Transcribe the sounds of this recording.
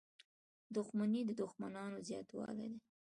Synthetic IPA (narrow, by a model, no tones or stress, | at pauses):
d̪ʊxmanid̪əd̪ʊxmanɑnozjɑ̰t̪wɑ̰lḛd̪e